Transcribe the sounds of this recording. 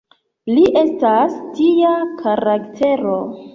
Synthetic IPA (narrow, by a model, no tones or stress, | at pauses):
liʔe̞stastiakʰaɾaktʰe̞ɾo̞